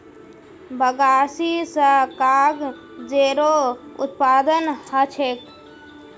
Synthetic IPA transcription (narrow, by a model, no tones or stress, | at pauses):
bəɡaːsisəkaːɡ | d͡ʒeɾoʊ̰t̪paːd̪ənhət͡ʃʰek